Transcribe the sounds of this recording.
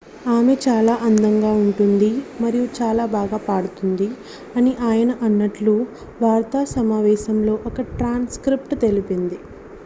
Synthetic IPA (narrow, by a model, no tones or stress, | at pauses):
aːme̞t͡ʃaːlaːʔɐnd̪ɐŋɡaːuɳʈund̪imɐɾijut͡ʃaːlaːbaːɡaːpaːɽut̪und̪i | ɐniʔaːjɐnɐʔɐnːɐʈlu | ʋaːɾt̪aːsɐmaːʋɛːʃɐmlo̞ːʔɔkɐʈɾaːnskɾipʈt̪e̞lipind̪i